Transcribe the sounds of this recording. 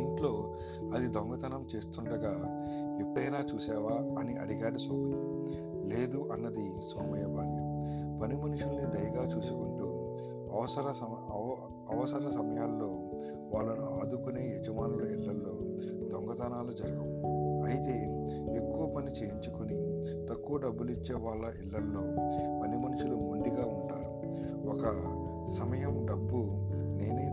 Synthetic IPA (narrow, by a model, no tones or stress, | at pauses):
iɳʈlo̞ː | ɐd̪id̪ɔŋɡɐt̪ɐnɐmt͡ʃe̞ːst̪uɳɖɐɡaː | epːɽɐjnaːt͡ʃuːsɛːʋaːɐniɐ̰ɽiɡaːɽisoːɡuni | le̞ːd̪uʔɐnːɐd̪i | sɐːmɐjɐbaːlipɐnimɐnuʂulnid̪ɐjɐɡaːt͡ʃuːsukuɳʈuː | ɐʋɐsɐɾɐ | ɐʋɐsɐɾɐsɐmɐjaːlːo̞ː | ʋaːɭːɐnuaːd̪ukuneːed͡ʒɐmaːnloilːɐlːo̞ːt̪ɔŋɡɐd̪aːnaːlud͡ʒɐɾɐɡɐʋuɐjit̪e̞ːekːuʋɐpɐnit͡ʃeːjiɲt͡ʃukuni | t̪ɐkːuʋɐɖɐbːulit͡ʃːeːʋaːɭːɐʔilːɐlːo̞ːpɐnimɐnuʂulumuɳɖiɡaːuɳʈaːɾu | ɔkɐ | sɐmɐjɐmɖɐbːune̞ːni